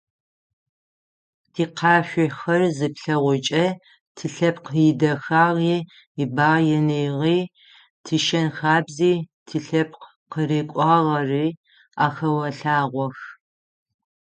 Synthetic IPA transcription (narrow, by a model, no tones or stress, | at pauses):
tʰiːqʰɑːɕʷɔxɐrzɨpɬɐʁʷʊt͡ʃʼɐ | tʰɨɬɐp̚qjɪdɐxaːʁiː | ibaːʁjɛnejʁiː | tʰɨʃɐnxaːbziːtʰiɬɐp̚ʰ | qəɾeːkʷʼɑːʁɐriː | aːxɐwɐɬaːʁʷɔx